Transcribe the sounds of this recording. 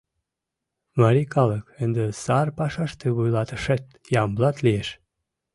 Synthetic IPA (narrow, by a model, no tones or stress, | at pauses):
mɑɾikɑləkənd̪əsɑrpɑʃɑʃt̪eβujlɑt̪əʃet̪ | jɑmblɑt̪lieʃ